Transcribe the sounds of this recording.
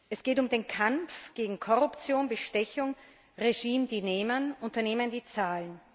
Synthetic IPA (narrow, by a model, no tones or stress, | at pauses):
ʔɛsɡ̥eːtʊmdeːnkʰamp͡fɡ̥eːɡŋ̩kʰɔʁʊpt͡sjoːnbəʃtɛçʊŋ | ʁeʒiːmd̥ineːmənʔʊntɐneːməndiːt͡saːlən